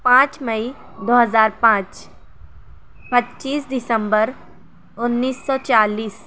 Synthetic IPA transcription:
pãːt͡ʃməi | d̪oːɦəzaːɾpãːt͡ʃ | pətːʃiːsd̪ɪsə̃mbəɾ | ʊnːiːsːɔːt͡ʃaːliːs

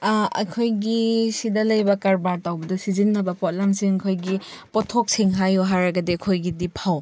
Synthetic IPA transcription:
ɐ̰kʰojɡisidɐlɐjbɐkaɾbaɾtawbɐdɐsizinːɐbɐpɔt̚lamsiŋkʰojɡipɔtʰok̚siŋɦajoɦaɾɐɡɐdeɐkʰojɡidipʰaw

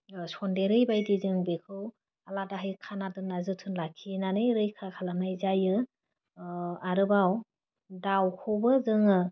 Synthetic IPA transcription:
sɔndeɾɯjbajdizɯŋbekʰɯw | aladaɦɯjkʰanadɯnazɯtʰɯnlakʰinanɯjɾɯjkʰakʰalanajzajɯ | aɾɯbaw | dawkʰobɯzɯŋɯ

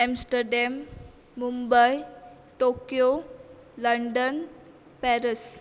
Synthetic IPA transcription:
ɛmsʈəɾɖɛmː | umbəj | ʈokjoləɳɖən | pɛɾəs

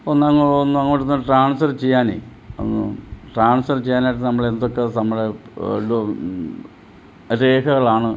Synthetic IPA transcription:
onːɐŋːɐonːuɐŋːoːʈːonːuʈraːɳsfɐrt͡ɕe̞jːaːnḛ | onːṵʈraːɳsɐrt͡ɕejːaːnaːjʈːɨnɐmːɐɭend̪okːenɐmːɐɽelo | ɾe̞ːkʰɐɣɐɭaːɳɨ

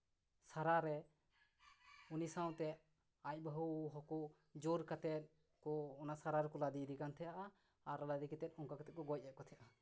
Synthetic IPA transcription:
saɾaɾɛ | unisawt̪ɛ | ac̚baɦuɦɔkɔ | d͡ʒoɾkat̪ɛt̪̚ | kɔːnasaɾaɾɛkɔlad̪id̪ikant̪ʰɛjaʔa | aɾlad̪ikɛt̪ɛt̪̚ɔŋkakat̪ɛt̪̚kɔɡɔc̚ˀːɛʔ̚kɔt̪ʰɛʔa

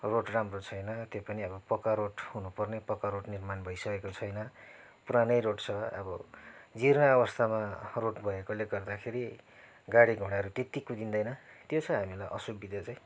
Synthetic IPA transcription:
roʈramrot͡sʰʌjnʌt̪jopʌniʌbʌpʌkaɾoʈɦunupʌrnepʌkaɾoʈnirmanbʱʌjsʌkekot͡sʰʌjnʌ | puɾanʌjroʈt͡sʰʌʌ̰bʌd͡zirnaʌbʌst̪ʰamaroʈbʱʌekoleɡʌrd̪akʰeɾi | ɡaɽiɡʱuɽ̃aɾut̪et̪ikud̪ind̪ʌjnʌt̪jot͡sʰʌɦamilajʔʌsubid̪ʌt͡saj̃

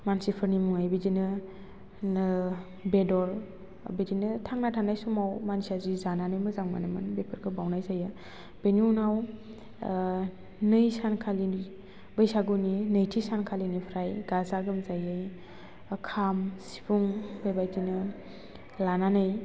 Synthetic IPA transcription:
mansipʰɯɾnimuŋajbidinɯ | n | bedɔɾ | bedinɯtʰaŋnatʰanajsumawmansiazizananɯjmɯzaŋma̰namɯnbepʰɯɾɡɯbawnajzajɯ | b̥eniunaw | nɯjsankʰalini | bɯjsaɡuninɯjtʰisankʰalinipʰɾajɡazaɡɯmzajɯj | kʰamsi̥pʰuŋbebajdinɯ | lananɯj

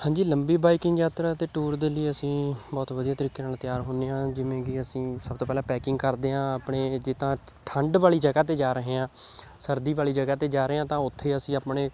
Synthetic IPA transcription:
hãːɲd͡ʒiːləmbiːbaːɪkɪŋɡjaːt̪ɾaːt̪eːʈuːɾd̪eːliːəsĩːbɔːt̪ʋəd̪ijaːt̪əɾiːkeːnaːlt̪jaːɾɦoːneːɦãːd͡ʒɪʋẽːɡɪəsĩːsəb̚t̪oːpɛːlãːpɛːkɪ̃ŋɡkəɾd̪eːɦãːaːpɳeːd͡ʒɪːt̪ãːt̪ʰəɳɖʋaːliːd͡ʒəɡaːt̪̬eːd͡ʒaːɾəɦeːãː | səɾd̪iːʋaːliːd͡ʒəɡaːt̪eːd͡ʒaːɾeːãːt̪ãːʊt̪ʰːeːəsĩːaːpɳeː

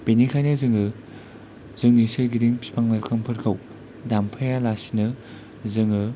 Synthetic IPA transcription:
penikʰajnɯzɯŋɯ | zɯŋnisɐɾɡidiŋpʰi̥pʰaŋlalkʰɐmpʰɯɾkʰɐw | dampʰajalasinɯ | zɯŋɯ

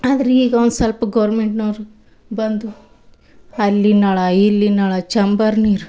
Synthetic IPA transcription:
aːd̪ɐɾeiːɡɐond̪usɐlpɐɡɐʋɾmeɳʈnoːɾu | bɐnd̪u | ɐlːinɐːɭɐilːinaːɭɐt͡ʃɐmbɐɾniːɾu

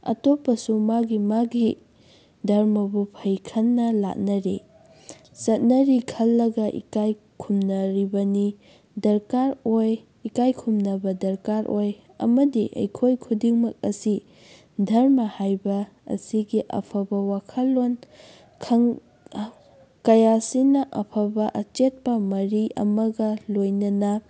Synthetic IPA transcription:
ɐ̰topːɐsumaɡimaɡi | dʱɐɾmɐbupʰɐjkʰɐnːɐla̰t̚nɐɾi | sɐt̚nɐɾikʰɐlːɐɡɐʔḭkaj | kʰumnɐɾibɐni | dɐɾkaɾoj | ikajkʰumnɐbɐdɐɾkaɾʔoj | ɐ̰mɐdiʔɐ̰jkʰojkʰudiŋmɐk̚ɐsi | dʱɐɾmɐhajbɐ̰ː | siɡiʔɐ̰pʰɐbɐwakʰɐlːon | kʰɐŋ | kɐjasinɐʔɐpʰɐbɐʔɐt͡ʃet̚pɐmɐɾiɐ̰mɐɡɐlojnɐnɐ

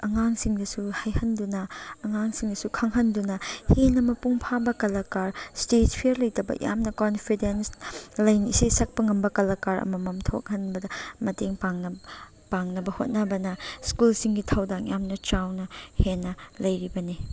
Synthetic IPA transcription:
ɐŋaŋsiŋdɐsuhajhɐndunɐɐŋaŋsiŋdɐsukʰɐŋɦɐndunɐhenɐmɐpuŋpʰabɐkɐlɐkaɾstet̚pʰiɾlɐjtɐbɐ̰jʔa̰mnɐkonpʰidenslɐjnḭsesɐk̚pɐŋɐmbɐkɐlɐkaɾɐ̰mɐmɐmtʰo̰k̚hɐnbɐdɐmɐteŋpaŋnɐ | paŋnɐbɐhot̚nɐbɐnɐskulsiŋɡitʰɐwdaŋjamnɐt͡ʃawnɐhenːɐlɐjɾibɐni

